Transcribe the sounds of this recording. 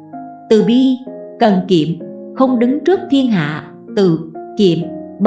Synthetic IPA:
t̪ɨ˨˩ɓi˧kə˨˩nkḭ˧˨əmxə˧wŋ͡mɗɨ˨˦ŋt͡ɕɨ˦˥ək̚t̪ʰi˧ənɦa̰ː˧˨ | t̪ɨ˨˩ki˧˩˨əmɓ

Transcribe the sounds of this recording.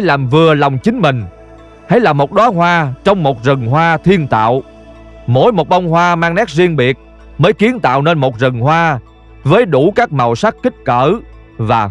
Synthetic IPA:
jlaː˨˩mvɨ˨˩əlɔ˨˩wŋ͡mt͡ɕï˨˦ŋ̟mï˨˩ŋ̟ | hə̰˧˦jlaː˨˩mo˨˩t̚ɗɔː˨˦hwaː˧t͡ɕɔ˧wŋ͡mmo˨˩t̚zə˨˩ŋhwaː˧t̪ʰi˧ənt̪a̰ː˧˨w | mo˧˥jmo˨˩t̚ɓa˧wŋ͡mhwaː˧maː˧ŋnɛ˦˥k̚zi˧ənɓi˨˩ət̚ | məː˨˦jki˨˦ənt̪a̰ː˧˨wne˧nmo˨˩t̚zə˨˩ŋhwaː˧ | vəː˨˦jɗu˧˩kaː˦˥k̚ma˨˩wsa˦˥k̚kï˦˥k̟̚kəː˧˩ | vaː˨˩

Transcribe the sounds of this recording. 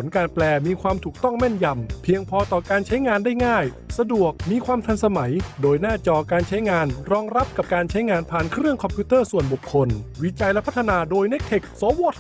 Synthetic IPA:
o˩˦nkaː˧nplɛː˧miː˧kʰwaː˧mt̪ʰuː˨˩k̚t̪ɔ˥˩ŋmɛ˥˩nja˧mpʰi˧əŋpʰɔː˧t̪ɔː˨˩kaː˧nt͡ɕʰa˦˥jŋaː˧ndaː˥˩jŋaː˥˩j | sa˧du˨˩ək̚miː˧kʰwaː˧mt̪ʰa˧nsa˧ma˩˦jdoː˧jnaː˥˩t͡ɕɔː˧kaː˧nt͡ɕʰa˦˥jŋaː˧nɾɔː˧ŋɾa˦˥p̚ka˨˩p̚kaː˧nt͡ɕʰa˦˥jŋaː˧npʰaː˨˩nkʰɾɯ˥˩əŋkʰɔ˧mpʰjuː˦˥t̪ɤː˥˩su˨˩ənbu˨˩kʰːo˧nwi˦˥t͡ɕa˧jlɛ˦˥pʰt̪ʰːa˧naː˧doː˧jne˦˥k̚t̪ʰe˨˩k̚sɔː˨˦wɔː˧˥˩t̪

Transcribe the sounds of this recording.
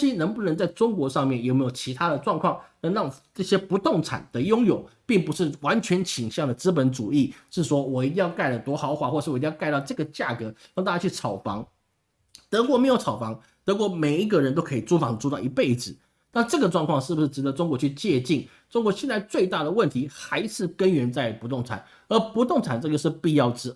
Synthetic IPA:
ɕi˥nə˧˥ŋpu˥˩nə˧˥ŋt͡sa˥˩ɪʈ͡ʂʊ˥ŋkwɔ˧˥ʂɑ˥˧ŋmjɛ˥˩njo˨˩ʊme˧˥jo˨˩t͡ɕʰi˧˥t̪ʰa˥d̪ə˨ʈ͡ʂwɑ˥˧ŋkʰwɑ˥˩ŋnə˧˥ŋɻɑ˥˩ŋʈ͡ʂə˥˩ɕjɛ˥pu˧˥t̪ʊ˥˩ŋʈ͡ʂʰa̰˨˩nd̪̥ə˦jʊ˥ŋjo˨˩ʊpi˥˩ŋpu˧˥ʂɻ̩˥˩wa˧˥nt͡ɕʰɥɛ˧˥nt͡ɕʰi˨˩ŋɕjɑ˥˩ŋd̪ə˩t͡sɹ̩˥pə˧˦˥nʈ͡ʂu˨˩i˥˩ʂɻ̩˥˩ʂwɔ˥wɔ˨˩i˧˥t̪̬i˥˧ŋjɑ˥˧ʊka˥˩ɪlə˩t̪wɔ˧˥xɑ˧˥ʊxwa˨˥˩xwɔ˥˧˨ʂ̩˥˩˨ti˥˧jka˥˧ɪt̪ɑ˥˧ʊʈ͡ʂɤ˥˩ɡə˩t͡ɕja˥˩kɤ˧˥ɻɑ˥˧ŋt̪a˥˩t͡ɕja˥t͡ɕʰy˥˩ʈ͡ʂʰɑ˨˩ʊfɑ̰˧˥ŋ | t̪ɤ˧˥kwɔ˥me˧˥jo˧˥ʊt͡sʰɑ˨˩ʊfɑ˧˥ŋ | t̪ɤ˧˥k̬wɔ˧˥˩me˨˩ɪi˧˥ɡə˨ɻə˧˦nt̪o˥ʊkʰɤ˧˥i˨˩ʈ͡ʂu˥fɑ˧˥ŋə˩ʈ͡ʂu˥˧t̪ɑ˥˩i˧˦˥pe˥˩ɪd͡zɻ̩˨˩˦ | na˥˧ʈ͡ʂɤ˥˩ɡə˩ʈ͡ʂwɑ˥˧ŋkʰwɑ˥˧ŋʂɻ̩˥˩bu˩ʂɻ̩˥˩ʈ͡ʂɻ̩˧˥d̪ə˧ʈ͡ʂʊ˥ŋkwɔ˧˥t͡ɕʰy˥˧t͡ɕjɛ˥˧t͡ɕi˥˩n | ʈ͡ʂʊ˥ŋkwɔ˧˥ɕjɛ˥˧nt͡sa˥˧ɪt͡swe˥˧ɪt̪a˥˩d̪ə˩wə˥˩nt̪ʰi˧˥xa˧˥ɪʂɻ̩˥˩kə˦˥nɥɛ˧˥nt͡sa˥˩ɪpu˧˥t̪ʊ˥˩ŋt͡sʰa̰˨˩˦n | ə˞˧˥pu˧˥t̪ʊ˥˩ŋt͡sʰa˨˩nʈ͡ʂɤ˥˧˩ɡə˧ʂɻ̩˥˧pi˥˧jɑ˥˩ʊʈ͡ʂɻ̩˥

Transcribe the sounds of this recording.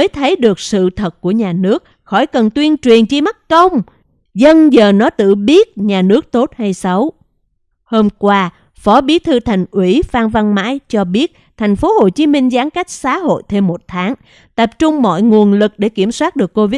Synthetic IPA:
əː˨˦jt̪ʰə˨˦jɗɨ˨˩ək̚sɨ̰˧˨t̪ʰə˨˩t̚ku˧˩əɲaː˨˩nɨ˦˥ək̚ | xɔ˧˩jkə˨˩nt̪wi˧ənt͡ɕwi˨˩ənt͡ɕi˧ma˦˥t̚kə˧wŋ͡m | zə˧nzəː˨˩nɔ˨˦t̪ɨ̰˧˨ɓi˦˥ət̚ɲaː˨˩nɨ˦˥ək̚t̪o˦˥t̚ha˧jsa˨˦w | ho˧mkwaː˧ | fɔ˨˦ɓi˨˦t̪ʰɨ˧t̪ʰa˨˩jŋ̟ʔwi˧˩faː˧nva˧nma̰ː˧˥jt͡ɕɔ˧ɓi˦˥ət̚ | t̪ʰɛ˨˩jŋ̟fo˨˦ho˨˩t͡ɕi˨˦mï˧ŋ̟zaː˨˦ŋka˦˥jk̟̚saː˨˦ɦo̰˧˨jt̪ʰe˧mːo˨˩t̚t̪ʰaː˨˦ŋ | t̪ə˨˩p̚t͡ɕʊ˧ŋ͡mmɔ̰˧˨jŋu˨˩ənlɨ˨˩k̚ɗe˧˩ki˧˩əmswaː˦˥t̚ɗɨ˨˩əkːo˧vi˦˥

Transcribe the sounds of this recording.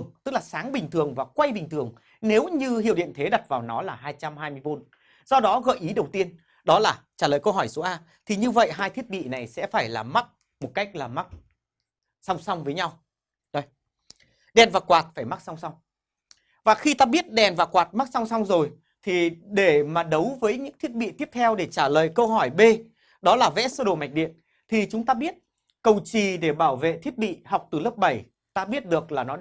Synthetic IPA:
əŋt̪ɨ˦˥k̚laː˨˩saː˨˦ŋɓï˨˩ŋ̟t̪ʰɨ˨˩əŋvaː˨˩kwa˧jɓï˨˩ŋ̟t̪ʰɨ˨˩əŋ | ne˨˦wɲɨ˧hḭ˧˨wɗḭ˧˨ənt̪ʰe˨˦ɗa˨˩t̚vaː˨˩wnɔ˨˦laː˨˩ɦaː˧jt͡ɕa˧mhaː˧jmɨ˧əjɓo˨˦n | z̥ɔ˧ɗɔ˨˦ɣə̰ː˧˨jʔi˨˦ɗə˨˩wt̪i˧ən | ɗɔ˨˦laː˨˩t͡ɕaː˧˩ləː˨˩jkə˧wɦɔ˧˩jso˨˦ʔaː˧ | t̪ʰi˨˩ɲɨ˧və̰˧˨jɦaː˧jt̪ʰi˦˥ət̚ɓḭ˧˨na˨˩jsɛ̰˧˥faː˧˩jlaː˨˩ma˦˥t̚ | mo˨˩t̚ka˦˥jk̟̚laː˨˩ma˦˥t̚ | sa˧wŋ͡msa˧wŋ͡mvəː˨˦jɲa˧w | no˧j | ɗɛ˨˩nvaː˨˩kwaː˨˩t̚faː˧˩jma˦˥k̚sa˧wŋ͡msa˧wŋ͡m | vaː˨˩xi˧t̪aː˧ɓi˦˥ət̚ɗɛ˨˩nvaː˨˩kwaː˨˩t̚ma˦˥k̚sa˧wŋ͡msa˧wŋ͡mzo˨˩j | t̪ʰi˨˩ɗe˧˩maː˨˩ɗə˨˦wvəː˨˦jɲɨ̰˧˥ŋt̪ʰi˦˥ət̚ɓḭ˧˨t̪i˦˥əp̚t̪ʰɛ˧wɗe˧˩t͡ɕaː˧˩ləː˨jkə˧wɦɔ˧˩jɓe˧ | ɗɔ˨˦laː˨˩vɛ̰˧˥səː˧ɗo̰˨˩ma˨˩jk̟̚ɗḭ˧˨ən | t̪ʰi˨˩t͡ɕʊ˨˦ŋ͡mt̪aː˧ɓi˦˥ət̚ | kə˨˩wt͡ɕi˨˩ɗe˧˩ɓaː˧˩wvḛ˧˨t̪ʰi˦˥ət̚ɓḭ˧˨ɦa˨˩wk͡p̚t̪ɨ˨˩lə˦˥p̚ɓə˧˩j | t̪aː˧ɓi˦˥ət̚ɗɨ˨˩ək̚laː˨˩nɔ˨˦

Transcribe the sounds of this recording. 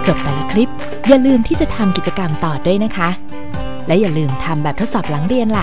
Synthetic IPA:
t͡ɕo˨˩p̚p̪a˨˩lːa˦˥kʰɾi˦˥p̚ | ja˨˩lɯː˧mt̪ʰiː˥˩t͡ɕa˨˩t̪ʰa˧mki˨˩t͡ɕa˧ka˧mt̪ɔː˨˩du˥˩əjna˦˥kʰa˦˥ | lɛ˦˥wjaː˨˩lɯː˧mt̪ʰa˧mbɛː˨˩p̚t̪ʰo˦˥t̪sɔː˨˩p̚laː˩˦ŋɾi˧ənla˨˩

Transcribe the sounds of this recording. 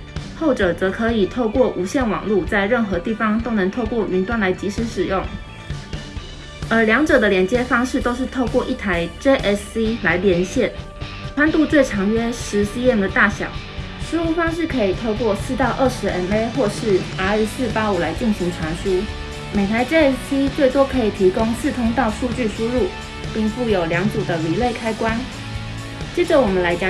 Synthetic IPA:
xo˥˩ʊʈ͡ʂɤ˨˩t͡sɤ˧˥kʰɤ˧˦i˨˩t̪ʰo˥˧ʊkwɔ˥˩ʔu˧˥ɕjɛ˥˩nwɑ̰˨˩ŋlu˥˧t͡sa˥˧ɪɻə˥˩nxɤ˧˥t̪i˥˩fɑ˥ŋt̪o˥ʊnɤ˧˥ŋt̪ʰo˥˧ʊkwɔ˥˩mi˧˥nt̪wa˥˩nla˧˥ɪt͡ɕi˧˥ʂɻ̩˧˥ʂɻ̩˨˩jʊ˥˩ŋ | ə˞˧˥ljɑ˧˥ŋʈ͡ʂɤ˨˩d̪ə˦ljɛ˧˥nt͡ɕjɛ˥fɑ˥ŋʂɻ̩˥˧t̪o˥ʊʂɻ̩˥˧t̪ʰo˥˧ʊkwɔ˥˧ʔi˥˩t̪ʰa˧˥ɪʈ͡ʂe˥ɪʔɛ˥si˥la˧˥ɪljɛ˧˥nɕjɛ˥˩n | ʈ͡ʂʰwa˥nt̪u˥˧t͡swe˥˩ɪʈ͡ʂʰɑ˧˥ŋɥɛ˥ʂɻ̩˧˥si˥jɛ˥˩nd̪ə˨˩t̪a˥˩ɕjɑ̰˨˩˦ | ʂɻ̩˧˥u˥˩fɑ˥ŋʂ̬ɻ̩˥˩kʰɤ˧˦˥i˨˩t̪ʰo˥˧ʊkwɔ˥˧sɹ̩˥˧t̪ɑ˥˧ʊʔə˥˩ʂɻ̩˧˥ɛ˥ne˥ɪxwɔ˥˧ʂɻ̩˥˩a˥ɛ˥˩sɹ̩˥˩pa˥u˨˩la˧˥ɪt͡ɕi˥˩nɕi˧˥ŋʈ͡ʂʰwa˧˥nʂu˥ | me˨˩ɪt̪ʰa˧˦ɪʈ͡ʂe˥ɛ˥si˥t͡swe˥˩ɪt̪wɔ˥kʰɤ˧˥i˨˩t̪ʰi˧˥kʊ˥ŋsɹ̩˥˩t̪ʰʊ˥ŋt̪ɑ˥˧ʊʂu˥˧t͡ɕy˥˩ʂu˥ɻu˥˨˩ | pi˥˧ŋfu˥˩jo˨˩ʊljɑ˧˥ŋt͡su˨˩d̪ə˦li˨˩le˥˩ɪkʰa˥ɪkwa˥n | t͡ɕjɛ˥˩ʈ͡ʂə˨wɔ˨˩mə˦nla˧˥ɪt͡ɕj

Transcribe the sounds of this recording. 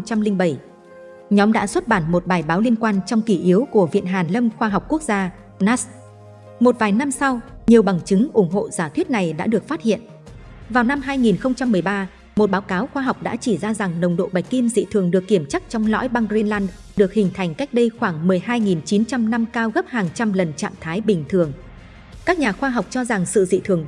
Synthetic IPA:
ŋ͡mt͡ɕa˧mlï˧ŋ̟ɓə˧˩j | ɲɔ˨˦mɗa̰ː˧˥swə˦˥t̚ɓaː˧˩nmo˨˩t̚ɓaː˨˩jɓaː˨˦wli˧ənkwaː˧nt͡ɕɔ˧wŋ͡mki˧˩ʔi˨˦əwku˧˩əvḭ˧˨ənɦaː˨˩nlə˧mxwaː˧ɦɔ˨˩wk͡p̚ku˦˥ək̚zaː˧ | na˦˥s | mo˨˩t̚vaː˨˩jna˧msa˧wɲi˨˩əwɓa˨˩ŋt͡ɕɨ˨˦ŋʔʊ˧˩ŋ͡mɦo̰˧˨zaː˧˩t̪ʰwi˦˥ət̚na˨˩jɗa̰ː˧˥ɗɨ˨˩ək̚faː˦˥t̚hḭ˧˨ən | vaː˨˩wna˧mɦaː˧jŋi˨˩nxə˧wŋ͡mt͡ɕa˧mːɨ˨˩əjɓaː˧ | mo˨˩t̚ɓaː˨˦wkaː˨˦wxwaː˧ɦa˨˩wk͡p̚ɗa̰ː˧˥t͡ɕi˧˩zaː˧za˨˩ŋnə˨˩wŋ͡mɗo̰˧˨ɓa˨˩jk̟̚ki˧mzḭ˧˨t̪ʰɨ˨˩əŋɗɨ˨˩əkːi˧˩əmt͡ɕa˦˥k̚t͡ɕɔ˧wŋ͡mlɔ̰˧˥jɓa˧ŋzi˧nlaː˧n | ɗɨ˨˩ək̚hï˨˩ŋ̟t̪ʰa˨˩jŋ̟ka˦˥jk̚ɗə˧jxwaː˧˩ŋmɨ˨˩əjɦaː˧jŋi˨˩nt͡ɕi˨˦nt͡ɕa˧mna˧mkaː˧wɣə˦˥p̚haː˨˩ŋt͡ɕa˧mlə˨˩nt͡ɕa̰ː˧˨mt̪ʰaː˨˦jɓï˨˩ŋ̟t̪ʰɨ˨˩əŋ | kaː˦˥k̚ɲaː˨˩xwaː˧ɦa˨˩wk͡p̚t͡ɕɔ˧za˨˩ŋsɨ̰˧˨zḭ˧˨t̪ʰɨ˨˩əŋ

